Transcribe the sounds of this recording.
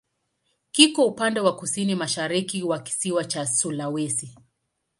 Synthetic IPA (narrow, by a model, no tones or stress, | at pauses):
kikɔupandɛwakusinimaʃaɾikiwaki̥siwat͡ʃasulawɛsi